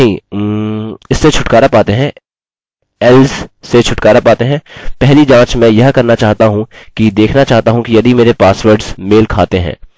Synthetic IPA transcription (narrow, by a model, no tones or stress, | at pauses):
nɐɦĩ | ɪsːet͡ʃʰʊʈkaːɾapaːt̪eɦɛ̃ː | ɛlzset͡ʃʰʊʈkaːɾapaːt̪eɦɛ̃ːpɛɦlid͡ʒãːt͡ʃmɛ̃jɐɦkɐɾnat͡ʃaːɦt̪aɦũkid̪eːkʰnat͡ʃaːɦt̪aɦũkijɐd̪ʱimeːɾepaːsʋəɾɖz̥meːlkʰaːt̪eɦɛ̰̃ː